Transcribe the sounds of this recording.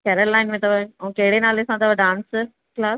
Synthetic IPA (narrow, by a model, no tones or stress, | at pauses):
kɛɾəlːaːɪnmẽt̪ɐʋəɐʋũkɐɦɪɽenaːlesãt̪ɐʋəɖãːns | klaːs